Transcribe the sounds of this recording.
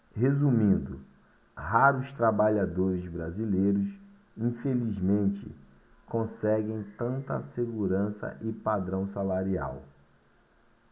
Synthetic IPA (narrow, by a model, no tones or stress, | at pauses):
hezumĩnd̪ʊ | haɾʊst̪ɾabaʎad̪oɾɪzbɾazilejɾʊs | ĩfelizmẽnt͡ʃɪ̰ | kõsɛɡẽj̃t̪ɐ̃nt̪ɐ̰seɡuɾɐ̃sɐ̰ʔɪpad̪ɾɐ̃w̃salaɾia̰w